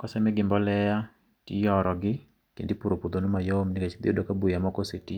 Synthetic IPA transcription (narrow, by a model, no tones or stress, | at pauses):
kɔsɛmɛɡɪmbɔlɛja | tḭjɔɾɔɡɪ | kḛndipuɾopud̪onomajomniket͡ʃd̪ḭodokabujamɔkoseti